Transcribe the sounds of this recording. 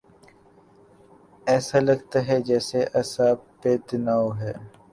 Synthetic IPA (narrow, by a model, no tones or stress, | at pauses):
ɛːsalɐɡt̪aɦɛd͡ʒɛːseʔɛːsaːpeːt̪ɪnaːoɦɛː